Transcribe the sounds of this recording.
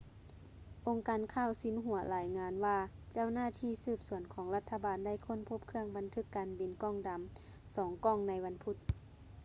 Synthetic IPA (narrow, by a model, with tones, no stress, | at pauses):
ʔo˧ŋkaː˨nkʰaː˧˩˨wsi˧˦nɦu˨˩˦ɐlaː˨˧˦jŋaː˧˥nwaː˧t͡ɕa˧˥˩wnaː˧˥˨t̪ʰiː˧˩sɯː˧˩p̚su˨˩˦ənkʰɔː˨˦ŋla˧t̪ʰːa˧baː˨nda˥˩jkʰo˧˥˨npʰo˧˥p̚kʰɯ˧əŋba˨nt̪ʰɯ˧˥˩kːaː˨nbi˨˦nkɔː˧˥˩ŋda˨˦m | sɔː˨˩˦ŋkɔː˧˥˨ŋna˧jʋa˧˥npʰu˧˦t̪̚